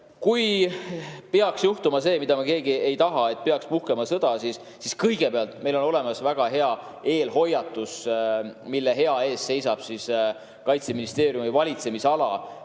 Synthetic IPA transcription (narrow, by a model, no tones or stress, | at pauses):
kuj | peɑksjuht̪umɑse̞ːmid̪̥ɑmɑke̞ːɡie̞jt̪ɑɦɑe̞t̪̚peɑkspuhkemɑsɤd̪̥ɑsisːiskɤjɡ̥e̞peɑlt̪ˑme̞jlo̞no̞le̞mɑsvæɡ̥ɑɦe̞ɑ | e̞ːlɦo̞jːɑt̪ːˑus | milːeɦe̞ɑe̞ːsse̞jsɑb̥sis | kɑjt̪se̞minist̪e̞ːɾjumivɑlʲit̪se̞misɑlɑ̰